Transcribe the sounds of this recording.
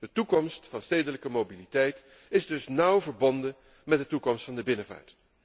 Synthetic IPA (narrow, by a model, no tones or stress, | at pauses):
d̥ətukɔmstfɑnsteːjdələkəmowbilitɛjt | ɪzdɵsnʌwvəɹbɔndə | mɛt̚dətukɔmstfɑndəbɪnəva̰ːɹt